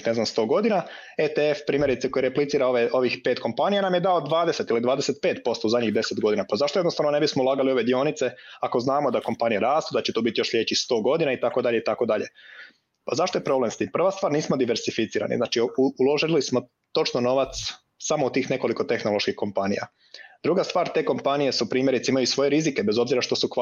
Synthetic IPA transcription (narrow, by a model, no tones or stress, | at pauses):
ne̞zamst̪o̞ːɡo̞d̪ina | et̪eefpɾiːmje̞ɾit̪seko̞jeɾe̞plit̪siːɾaoʋeʔo̞ʋixpeːt̪ko̞mpanijanamje̞d̪aod̪ʋaːd̪ese̞t̪ilid̪ʋaːd̪e̞set̪̚pe̞ːt̪po̞st̪ouzad̪ʲɲiɣd̪e̞set̪ɡo̞d̪inapazaʃt̪oenost̪aʋnone̞bismoulˠaːɡalio̞ʋe̞d̪io̞nit̪se̞ako̞znaːmod̪ako̞mpanijaɾaːst̪od̪at͡ɕet̪obit̪ijo̞ʃʎe̞t͡ɕist̪o̞ːɡo̞d̪inait̪ako̞d̪aʎeit̪ako̞d̪aʎe̞ | pazaʃt̪ojepɾoble̞mst̪iːmpr̩ʋast̪ʋaːɾniːsmo̞d̪iʋe̞ɾsifit̪siːɾa̰nḭznaːt͡ʃiulo̞ʒilismo̞ | t̪o̞t͡ʃnono̞ʋat̪s | samout̪iːxne̞ko̞liko̞t̪e̞xno̞lˠo̞ʃkixko̞mpanḭja̰ | d̪̥ɾuɡast̪ʋaːɾt̪e̞ːko̞mpanije̞supɾiːmje̞ɾit̪seimajuisʋo̞je̞ɾizike̞bezo̞bziɾaʃt̪o̞suk